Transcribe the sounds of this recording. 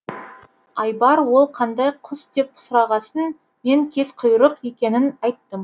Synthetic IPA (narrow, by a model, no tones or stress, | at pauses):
ɑjbɑɾwo̞lˠqʰɑnd̪ɑjqʰʊsd̪e̞p̚ʊ̥sʊɾɑʁɑsən | me̞ŋkʲʰe̞sqʰʊjɾəqe̞kʲe̞nɪnɑjt̪ːəm